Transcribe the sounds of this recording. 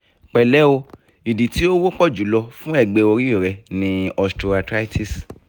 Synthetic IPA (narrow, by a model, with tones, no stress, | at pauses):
k͡pɛ˨lɛ˨˦o˧ | i˨di˨ti˦o˦wo˦k͡pɔ˦˨d͡ʒu˨˦lɔ˧fũ˦ɛ˦˨ɡ͡be˧o˧ɾi˦o˦˨ɾɛ˧nĩ˧ɔ˧sto˧a˧tɾa˦i˦tʰi˦˨s